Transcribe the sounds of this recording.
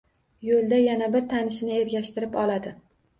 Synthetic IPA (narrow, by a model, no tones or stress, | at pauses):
jolˠd̪ajanabɪɾt̪ʰanɪʃnɪe̞ɾɡʲaʃt̪ɪɾɪpɒlˠad̪ɪ